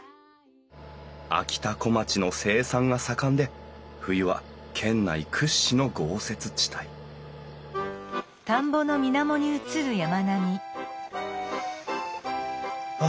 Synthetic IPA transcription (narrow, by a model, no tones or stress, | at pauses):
a̰kʲi̥t̪ako̞mat͡ɕino̞se̞ːsãŋɡasakãnd̪e̞ɸɯ̟iβa̰kʰẽ̞nːa̰ikʰɯ̟ɕːino̞ɡo̞ːse̞t͡sɨ̥t͡ɕi̥t̪ʰai | t̪ãmbo̞no̞mʲinamo̞ɲ̟iɯ̟t͡sɨɾɯ̟jamanamʲi